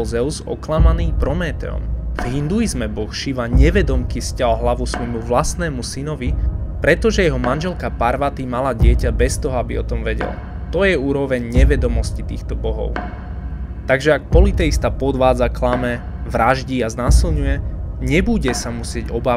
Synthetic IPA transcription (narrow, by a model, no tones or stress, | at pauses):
zɛʊzɔ̰klamaniːpɾɔmɛːt̪ɛ̰ɔ̰mv̥ɦind̪uizmɛbɔxʃiʋaɲɛʋɛd̪ɔmkiscalɦlaʋusʋɔjmuʋlast̪nɛːmusinɔʋipɾɛt̪ɔʒɛjɛɦɔmanʒɛlkapaɾʋat̪imalaɟɪɛcabɛst̪ɔɦɔabiɔt̪ɔmʋɛɟɛ̰l | t̪ɔjɛuːɾɔʋɛɲɲɛʋɛd̪ɔmɔscit̪ḭːxt̪ɔbɔɦɔ̰ʊ | t̪aɡʒɛak̚pɔlit̪ɛist̪apɔd̪ʋaːd͡zaklamɛ | ʋɾaʒɟiaznaːsilɲujɛɲɛbuɟɛsamusɪɛɟɔbaː